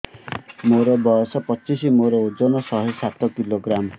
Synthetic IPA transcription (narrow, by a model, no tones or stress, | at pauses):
moɾɔbɔɔsɔpɔt͡ʃisimoɾɔod͡ʒɔnɔsɔɦesat̪ɔkiloɡɾam